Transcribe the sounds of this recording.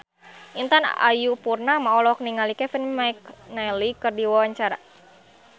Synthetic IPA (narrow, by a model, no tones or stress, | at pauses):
ʔint̪ana̰jupurnamaɔlɔk̚niŋalikɛfinmaik̚najlikɨrdiwawaɲt͡ʃaɾa